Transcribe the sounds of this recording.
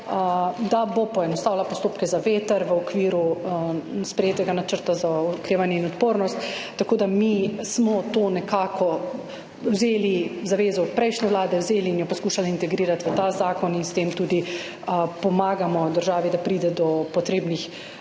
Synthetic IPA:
əd̪abopɔɛnɔst̪aːwlapɔst̪oːpkɛzaʋeːt̪əɾʋəɔkʋiːɾu | spɾɛjeːt̪ɛɡanat͡ʃəɾt̪azaɔkɾeːʋanjɛinɔt̪poːɾnɔst̪ː | akoːd̪amismɔt̪oːnɛkaːkʰɔ | wzeːlizaʋeːzɔpɾɛjʃnɛʋlaːd̪ɛwzeːliːnjɔpɔskuːʃaliint̪ɛɡɾiːɾat̪ʋət̪azaːkɔninst̪emt̪uːd̪i | pɔmaːɡamɔd̪əɾʒaːʋid̪apɾiːd̪ɛd̪ɔpɔt̪ɾeːbnix

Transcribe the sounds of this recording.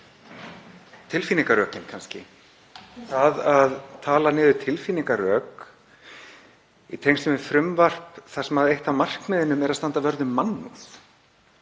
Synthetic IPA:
t̪ʰɪlfiniŋkaɾœːcɪnkʰanscɪ̰ | θaðaðt̪ʰaːlanɪːðʏt̪ʰɪlfiːniŋkarœːk | it̪ʰejŋst̪ʏmɪfɾʏmvar̥pθḁsɛmaðejht̪amar̥kmɛðɪnːʏmɛɾaðst̪ant̪avœɾðʏmːanːuθ

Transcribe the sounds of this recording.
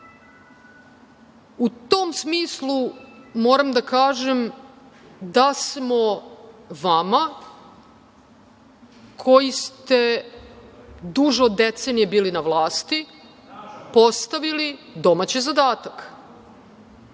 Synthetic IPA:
ut̪omsmiːslˠumoːɾamd̪akaːʒem | d̪asmo̞ | ʋama | kʰo̞jist̪e̞ | d̪uʒeod̪ːet̪senijebiːlinaʋlˠaːst̪i | po̞st̪aʋilid̪o̞mat͡ɕizad̪aːt̪ak

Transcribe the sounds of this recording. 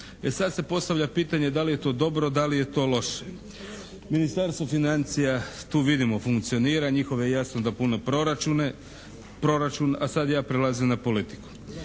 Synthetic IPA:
esad̪se̞po̞st̪aʋʎapiːt̪aɲe̞d̪alije̞t̪o̞ːd̪o̞bɾo̞d̪alije̞t̪o̞ːlo̞ʃe̥ | minist̪aɾst̪ʋo̞finant̪sijat̪uːʋid̪imo̞fuŋkt̪sio̞niːɾaɲixo̞ʋjejasnod̪apuno̞pɾoɾat͡ʃune | pɾo̞ɾat͡ʃunasad̪jaːpɾelˠazimnapo̞lit̪i̥ku̥

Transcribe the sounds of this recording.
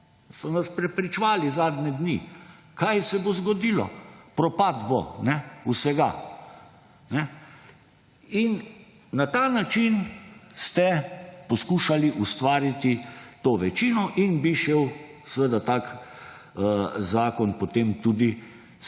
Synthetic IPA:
sɔnaspɾɛpɾit͡ʃʋaːlizaːd̪nɛd̪ni | kajsɛbozɡɔd̪ilɔ̰pɾɔpad̪bonɛusɛɡa | nɛ | inː | at̪aːnat͡ʃinst̪ɛpɔskuʃaliʔust̪ʋaːɾit̪it̪oːʋɛt͡ʃinɔʔinbiʃew | sʋed̪at̪ak | zaːkɔnpot̪emt̪ud̪i

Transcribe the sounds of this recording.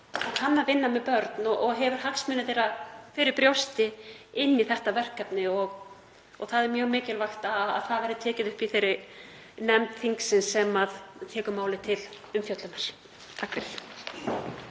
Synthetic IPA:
ahanːavɪnːamɛpœɾt̪nɔʔɔɣɦɛvʏɾ̥ɦaksmʏnːɪθejɾafɪɾɪɾpɾjowst̪ɪɪnːiθɛht̪avɛr̥kːap̪nɪɔɣ | ɔɣθaðɛɾmjœːɣmɪːcɪlvajxt̪aa̰ðθaðvɛɾðʏt̪ʰɛːcɪðʏhpiθejɾɪ | nɛmt̪θiŋksɪnsɛmaðt̪ʰɛːkʏmaːwlɪt̪ʰɪl | ʏmfjœt̪lʏnaɾ̥ | t̪ʰahkvɪθ

